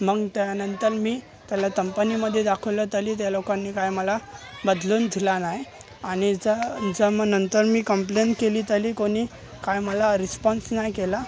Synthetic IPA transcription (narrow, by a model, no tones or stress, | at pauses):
məɡt̪janənt̪əɾmiː | t̪jalatəmpəniməd̪ʱːjed̪akʰəwlət̪əliːt̪̬jalokanːiːkajməlabəd̪luːnd̪ʱilanaj | aɽ̃id͡zəd͡zəmənənt̪əɾmiːkəmplenʈkeliːt̪əliːkoɽ̃iː | kajməlaɾispɔnsnajkela